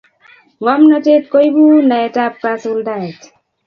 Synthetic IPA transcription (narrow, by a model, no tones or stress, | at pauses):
ŋɔmnɔtet̪̚kojbunaetap̚kasuldaet